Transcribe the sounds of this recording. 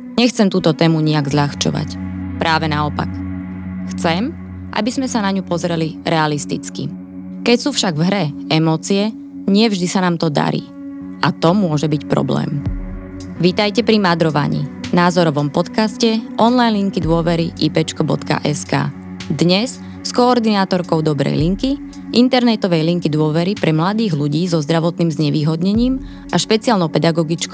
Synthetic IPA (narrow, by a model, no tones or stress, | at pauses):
ɲɛxt͡sɛmt̪uːt̪ɔt̪ɛːmuɲiaɡzʎaxt͡ʃɔ̰ʋa̰cpɾʔaːʋɛnaɔpa̰k | xt͡sɛm | ʔa̰bizmɛsanaɲupɔzɾɛliɾʔɛalist̪ḭt͡skḭ | kɛcsuːfʃaɡvɦɾɛɛmɔːt͡siɛ | ɲɪɛvʒd̪isanaːmt̪ɔd̪a̰ɾḭː | at̪ɔmʊɔʒɛbicpɾɔ̰blɛ̰ːm | ʋit̪ajcɛpɾimad̪ɾɔʋa̰ɲḭnaːzɔɾɔʋɔmpɔt̪kascɛʔɔnlajnliŋkid̪ʊɔʋɛɾiʔipɛt͡ʃkɔbɔ̰t̪ka̰ʔɛska̰ː | d̪ɲɛs | skɔːɾd̪inaːt̪ɔɾkɔʊd̪ɔbɾɛ̰jliŋki | ʔint̪ɛɾnɛt̪ɔʋɛjliŋkid̪ʊɔʋɛɾipɾɛmlad̪iːɣluɟiːzɔzd̪ɾaʋɔt̪niːmzɲɛʋiːɦɔd̪ɲɛɲiːm | ʔaʃpɛt͡siaːlnɔʊpɛd̪aɡɔɡit͡ʃkɔ